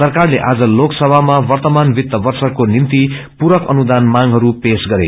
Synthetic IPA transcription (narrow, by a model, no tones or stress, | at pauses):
sʌrkarleʔad͡zʌloksʌbʱamawʌrt̪ʌmanbit̪ːʌbʌrsʌkːonint̪i | puɾʌkʌ̰nud̪anmaŋɦʌɾupesɡʌɾḛ